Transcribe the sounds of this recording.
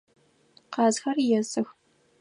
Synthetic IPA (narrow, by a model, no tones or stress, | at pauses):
qɑːzxɐrjɛzɨx